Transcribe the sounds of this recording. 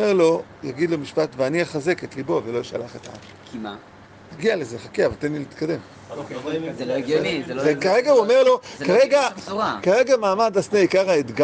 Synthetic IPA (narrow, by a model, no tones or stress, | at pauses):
eʁlo̞ | jaɡid̪lo̞miʃpatveaniaχaze̞ket̪libo̞velo̞ʃa̰laχet̪aa̰m | kʰima | jaɡialezeχakeavalt̪enilit̪kad̪e̞m | ekaʁeɡauomeʁlo̞kaʁeɡakaʁeɡamaːmadasneikaʁaet̪ɡa